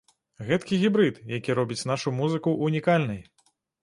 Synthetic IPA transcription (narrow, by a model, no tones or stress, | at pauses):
ɣɛt̪kʲiɣʲibɾɨt̪jakʲiɾɔbʲit͡sʲnaʂumuzɨkuʔunʲikalʲnɨj